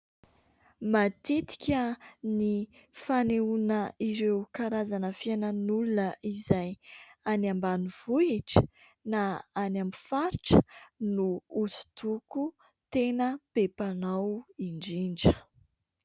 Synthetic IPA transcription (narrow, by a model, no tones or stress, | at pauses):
mat̪it̪i̥kʲənifaneunəiɾewkaɾazanəfianənulunəʔizajanambanuv̥uiʈ͡ʂə̥ | naanambifaɾʈ͡ʂə̥nuusu̥t̪uku | t̪enəpepanawiɳɖ͡ʐiɳɖ͡ʐə